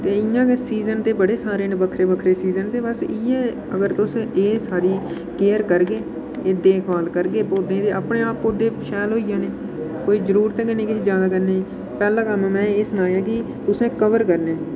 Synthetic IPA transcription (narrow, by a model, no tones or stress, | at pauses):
t̪eːɪjãːkesiːzənt̪eːbəɽeːsaːɾeːnbəkʰɾeːbəkʰɾeːsiːzənt̪eːbəsɪːɛː | əɡəɾt̪ʊsẽʔeːsaːɽiː | keːəɾkəɾɡeː | eːd̪eːkʰaːlkəɾɡeːpoːd̪ẽːt̪eːaːpneːaːpod̪eːʃɛːlɦoːijãːneː | koːiːzəɾuːɾt̪ɛ̃ːkɪnẽːkɪiːd͡ʒjaːd̪aːkəɾneːiː | pɛːlãːkəmːmɛ̃ːeːsənaːjaːkɪ | t̪ʊsẽːkəʋəɾkəɾnẽː